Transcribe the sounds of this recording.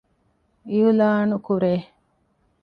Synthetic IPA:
iulaːnukuɾeː

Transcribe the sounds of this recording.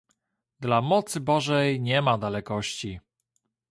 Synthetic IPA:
d̪lamɔt̪sɘbɔʐɛjɲɛmad̪alɛkɔɕt͡ɕi

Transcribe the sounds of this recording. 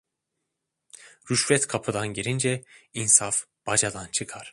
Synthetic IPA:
ɾyʃvɛt̪kʰapʰɯd̪anɟiɾind͡ʒɛinsaf | b̥ad͡ʒad̪ant͡ʃʰɯkʰaɾ̥

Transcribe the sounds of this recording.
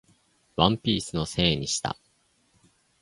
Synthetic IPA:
βãmpʲiːsɨno̞se̞ːɲ̟iɕi̥t̪a̰

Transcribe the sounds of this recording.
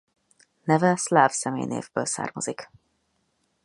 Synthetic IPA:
nɛvɛslaːvsɛmeːjnḛːvbøːlsa̰ːrmozik

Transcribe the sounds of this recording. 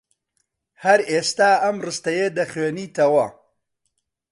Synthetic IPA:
hɐɾeːst̪aːɐmrɨst̪ɐjed̪ɐχweːniːt̪ʰɐwɐ

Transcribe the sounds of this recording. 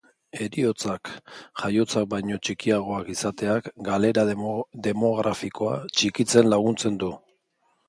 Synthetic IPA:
e̞ɾio̞t͡sakxajo̞t͡sak̚bajɲo̞t͡ʃikiaɣ̞o̞akisat̪e̞akɡale̞ɾad̪e̞mo̞ɣ̞ɾʔafiko̞a̰t͡ʃikit͡se̞nlaɣ̞unt͡se̞nd̪u

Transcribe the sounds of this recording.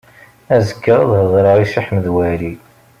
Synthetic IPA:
æzəkːəʁɑðhəðˤɾəʁiʃiħməðwæli

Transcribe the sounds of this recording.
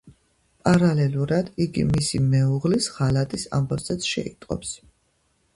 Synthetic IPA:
pʼaɾalɛluɾad̪iɡḭmisimɛuʁlisʁalat̪ʼisa̰mbavzɛt̪sʰʃɛ̰ḭt̪ʼqʼɔ̰ps

